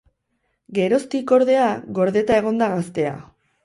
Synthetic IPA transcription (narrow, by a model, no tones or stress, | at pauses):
ɡe̞ɾo̞st̪iko̞ɾðe̞aɣo̞ɾðe̞t̪ae̞ɣ̞o̞nd̪aɣast̪e̞a̰